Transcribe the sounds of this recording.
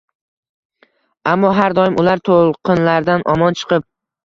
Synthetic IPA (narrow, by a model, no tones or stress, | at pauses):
amːɒɦaɾd̪ɒjɪmʔʊlaɾt̪ʰolˠqʰɨnlaɾd̪anʔɒmɒnt͡ʃʰɨ̥qɨp̚